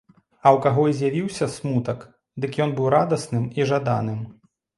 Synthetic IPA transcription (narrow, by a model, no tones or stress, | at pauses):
ɐwkaɣɔizʲjavʲiwsʲɐsmut̪ɐk | d̪ɨkjɔnbɨwɾad̪ɐsnɨmiʐad̪a̰nɨm